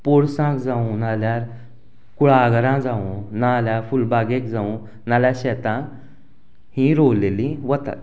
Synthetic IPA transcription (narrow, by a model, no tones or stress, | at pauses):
poɽsãkd͡zaũnaljaɾ | kuɭaɡɾãd͡zaũnaljafulbaɡekd͡zaũ | naljaɕɛt̪ãk | hĩɾowlelĩʋət̪a̰t̪